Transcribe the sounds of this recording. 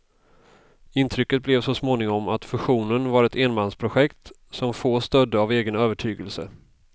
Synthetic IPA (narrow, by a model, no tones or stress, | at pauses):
ɪnt̪ʰɾʏkːət̪̚blɛvsɔsmoːnɪŋɔmat̪fɵɧuːnənvaɾɛt̪eːnmanspʰɾʊɧɛkt̪ | sɔmfoːst̪œd̪ːəaveːɡənøːvəʈʰyːɡəlsə̰